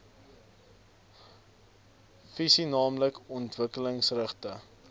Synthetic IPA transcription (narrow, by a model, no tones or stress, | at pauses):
fisinɑːmləkɔntvəkələŋsrəχtə